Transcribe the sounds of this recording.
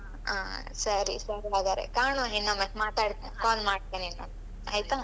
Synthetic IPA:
a̰ː | sɐɾḭsɐɾiaːɡaːɾḛkaːɳuɦinːamemaːt̪aːɽt̪ekaːlmaːɽt̪enina̰m | a̰ːjt̪a

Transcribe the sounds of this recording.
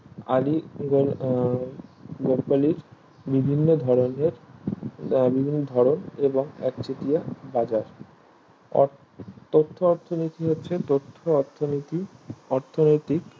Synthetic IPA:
a̰liɡo | ɡopaliɾ | bibʱinːod̪ʱɔɾoneɾ | bibʱinːod̪ʱɔɾoneboŋɛ̰k̚t͡ɕet̪ijabad͡ʑaɾ | t̪ot̪ʰːoɔɾt̪ʰonit̪iɦotːɕʰet̪ot̪ʰːot̪ʰot̪iɔɾt̪ʰonojt̪ik

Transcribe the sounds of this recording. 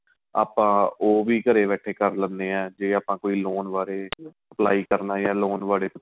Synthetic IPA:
a̰ːpãːoːʋiːkəɾeːbɛːʈʰeːkəɾlənd̪eːɛ̃ːd͡ʒeːaːpãːkoːiːloːnʋaːɾeː | əpla̰ːiːkəɾnaːjaːloːnʋaːɽeːp

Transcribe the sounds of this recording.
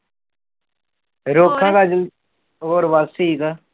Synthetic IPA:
ɾoːkʰːãːkaːd͡ʒɪl | oːɾʋaːst̪iika

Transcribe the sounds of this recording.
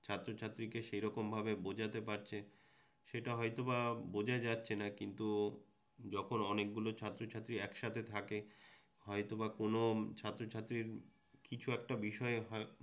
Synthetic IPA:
t͡ɕʰat̪ːɾot͡ɕʰat̪ːɾikeʃejɾɔkombʱabebod͡ʑat̪epaɾt͡ɕʰe | ʃeʈaɦɔjt̪obabod͡ʑaed͡ʑatːɕʰenakint̪u | d͡ʑɔkʰonɔnek̚ɡulot͡ɕʰat̪ːɾot͡ɕʰat̪ːɾiɛkʃat̪ʰet̪ʰake | ɦɔjt̪obakonot͡ɕʰat̪ːɾot͡ɕʰat̪ːɾiɾ | kit͡ɕʰuɛk̚ʈabiʃɔeɦɔ

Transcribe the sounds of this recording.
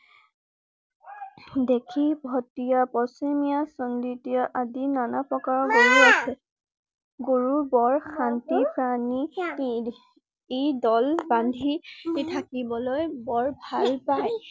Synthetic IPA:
dekʰibʱɔtijapɔsimijasɔnditijɔʔadinanapɹɔkaɹɔɡoɹiasɛ | ɡoɹubɔɹxʰantipɹani | ejdɔlbandʱiitʰakibɔlojbɔɹbʱalpaj

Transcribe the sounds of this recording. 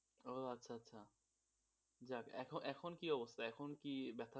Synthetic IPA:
oatːɕʰaɐtːɕʰa | d͡ʑakɛ̰kʰonʔɛkʰonkiɔbost̪ʰaɛkʰonkibɛt̪ʰa

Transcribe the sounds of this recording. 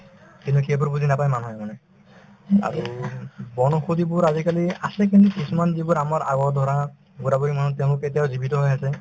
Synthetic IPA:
kintukebɔɹbud̪ʱinapajmanɦɔjmanɛ | a̰ɹubɔnɔxud̪ibʊɹazikaliasɛkintikisumanzibɔɹamaɹa̰ɡɔd̪ʱɔɹɔna | ɡuɾabɔimanutɛʊ̃lʊket̬ijawzibitɔɦojasɛ

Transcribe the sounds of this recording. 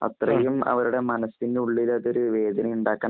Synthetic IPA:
ɐ̰t̪rɐjumɐ̰ʋɐɾuɽe̞mɐnɐsindeuɭːilɐðo̞ɾuʋe̞ːd̪ʱɐnɐjuɳɖaːkːaː

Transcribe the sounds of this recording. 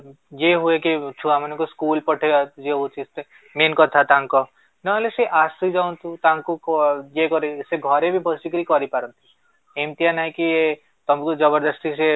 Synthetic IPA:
jeɦuekit͡ʃʰuamənekuskuːlpɔʈʰed͡ʒeɦut͡ʃʰist̪e | menkɔt̪ʰat̪aŋkɔ | nɔleseʔasid͡ʒaũnt̪ũt̪aŋkujekɔɾiseɡʱɔɾebʱibʱɔsikɾikɔɾipaɾɔnt̪ʰi̥ | emt̪ijanaɦĩkie | t̪ɔmkud͡ʒɔbəɾd̪ɔst̪ise

